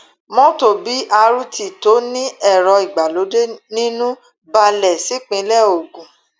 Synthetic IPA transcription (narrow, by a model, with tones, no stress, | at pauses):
mɔ̃˦to˦˨bi˨˦ʔa˧ɾu˦ti˨to˨˦nĩ˦ɛ˦˨ɾɔ˧i˨ɡ͡ba˨lo˨˦de˦nĩ˦nũ˦ | ba˧lɛ˨si˨˦k͡pĩ˨˧˦lɛ˦˨o˨ɡũ˨˦